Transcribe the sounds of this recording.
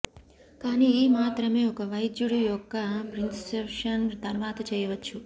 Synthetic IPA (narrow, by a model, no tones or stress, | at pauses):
kanimaːt̪ɾəmeokəʋajd͡ʒuɽjujokːapɾɪnssepʃənd̪ɐɾʋat̪ʰt͡ʃəjʋət̪t͡ʃʰu